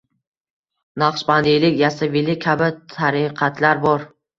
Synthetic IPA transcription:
nɑqʃband̪ijlɪkʲjast̪avilɪkʲʰabɪt̪ʰaɾɪqʰɑt̪laɾbɒɾ

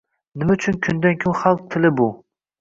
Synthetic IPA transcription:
nɪmɛyt͡ʃʰynkʲʰynd̪ɛnkʲʰynχɑlˠq̚t̪ʰɪlɪbu

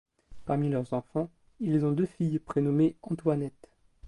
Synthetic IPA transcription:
paʁmilœʁzɑ̃fɑ̃ | ilzɔ̃d̪øfijpχenɔmeɑ̃t̪wanɛt̪

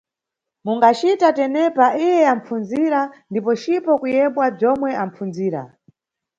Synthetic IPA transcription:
muŋɡat͡ʃitatɛnɛpaʔijɛam̩p͡funziɾandipɔt͡ʃipɔkujɛɓwab͡ʐɔmwɛʔam̩p͡funziːɾa̰

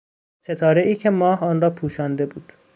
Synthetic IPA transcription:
se̞t̪ʰɒːɾeʔiːcʰe̞mɒːhɒːnɾɒːpʰuːʃɒːnd̪e̞buːd̪̥

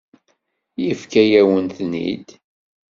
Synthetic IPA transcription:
jəfkæjæwənθnḭd̪

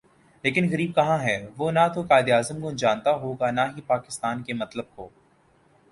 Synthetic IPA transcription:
leːkɪnɣɐɾiːb̚kɐɦãɦɛːʋonat̪okaːɪd̪ijaːzəmkod͡ʒaːnt̪aɦoːɡanaɦipaːkɪst̪aːnkemɐt̪ləb̚koː

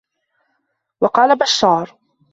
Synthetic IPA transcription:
wɑqɑːlabaʃːɑːɾˤ

